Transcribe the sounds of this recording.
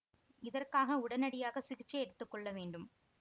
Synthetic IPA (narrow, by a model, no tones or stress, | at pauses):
ɪðɐrkaːɣɐʊɽɐnɐɽɪjaːɣɐsɪɣɪt͡ʃːɐɛɽɯt̪ːɯkːɔɭːɐʋeːɳɖɯm